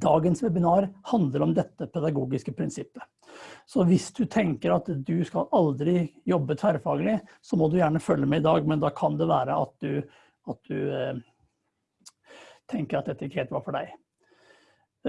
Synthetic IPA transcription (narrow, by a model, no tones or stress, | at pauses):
d̪ɑːɡənsʋɛbɪnɑːɾhɑnd̪ləɾɔmd̪ɛt̪ːəpʰɛd̪ɑɡuːɡɪskəpʰɾɪnsɪpːə | sɔʋɪsd̪ʉt̪ʰɛŋkəɾɑt̪d̪ʉskɑlɑld̪ɾɪjɔbːət̪ʰæɾfɑːɡəlɪsɔmɔd̪ʉjæːɳəfœlːəmɛɪd̪ɑːɡmɛnd̪ɑːkʰɑnd̪ɛʋæːɾəʔɑ̰t̪̚d̪ʉ | ɑt̪̚d̪ʉ | t̪ʰɛŋkəɾɑt̪d̪ɛt̪ːəɪkːəheːlt̪ʋɑɾfɔɖæ̰ɪ